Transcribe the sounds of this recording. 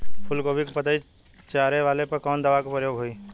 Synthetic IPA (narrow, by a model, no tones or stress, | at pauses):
pʰʊlkoːbʱikopət̪aːi | t͡ʃaːɾeʋaːlepɐɾkɔːnd̪əʋakopəɾjoːɡɦoːiː